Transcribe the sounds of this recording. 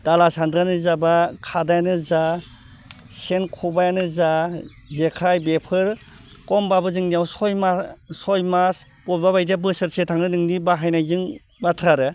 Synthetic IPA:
d̥alasandɾanɯzabakʰadajanɯza | senkʰubajanɯza | zekʰajbepʰɯɾ | kɔmbabɯzɯŋnijawsɔjmasɔjmas | pɔlbaβajdabɯsɯɾsetʰaŋɯnɯŋnibaɦajnajzɯŋ | matʰɾaɾɯ

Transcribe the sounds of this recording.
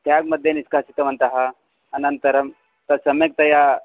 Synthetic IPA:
t̪ʰjaɡmɐd̪ʱjeniskasit̪ɐmɐnt̪aɦa | ɐnɐnt̪ɐɾɐm | t̪ɐsɐmek̚t̪ɐja

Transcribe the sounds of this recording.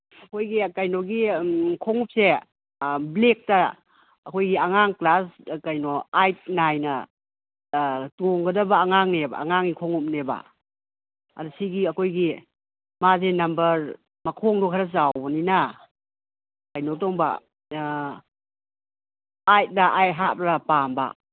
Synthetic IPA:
ɐkʰojɡikajnoɡikʰɔŋup̚se | blek̚tɐː | kʰojɡiaŋaŋklaskajnoajt̚najnɐ | toŋɡɐdɐbɐːŋaŋneba̰a̰ŋaŋikʰɔŋup̚neba̰ | ɐ̰dusiɡiɐkʰojɡi | mazenɐmbɐɾ | mɐkʰɔŋdɔkʰaɾɐz̬awninɐ | kajnotɔŋbɐ̰ | ajt̚daʔajt̚ɦatpɾapamba̰

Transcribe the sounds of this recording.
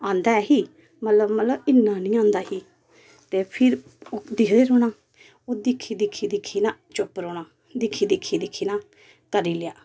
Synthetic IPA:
ãːnd̪aːɛːɦiː | mət̪ləbmət̪ləbɪnːãːnĩːãːnd̪aːhiː | t̪eːpʰɪɾ | od̪ɪkʰd̪eːɾoːnaː | oːd̪ɪkʰːiːd̪ɪkʰːiːd̪ɪkʰːiːnãːt͡ʃʊpːɾoːnãː | d̪ɪkʰːiːd̪ɪkʰːiːd̪ɪkʰːiːnãː | kəɾiːlɪjaː

